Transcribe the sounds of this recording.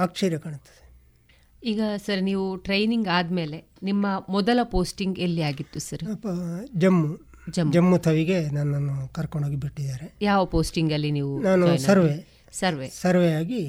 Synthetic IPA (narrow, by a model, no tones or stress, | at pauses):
ɐkʂɐɾjɐkaɳut̪ːu̥ | iːɡɐsɐɾniːʋuʈɾejniŋɡaːd̪me̞ːle̞ | nimːɐmɔd̪ɐlɐpoːsʈiŋɡelːiaːɡit̪ːusɐɾɐpɐd͡ʒɐmːu | d͡ʒɐmːd͡ʒɐmːut̪ʰɐʋiɡe̞naːnaːnukɐɾkoɳɖoːɡibiʈːid̪aːɾejaːʋɐpoːsʈiŋɡɐlːiniːʋunaːnusnɐɐɾʋe | sɐɾʋesɐɾʋejaːɡi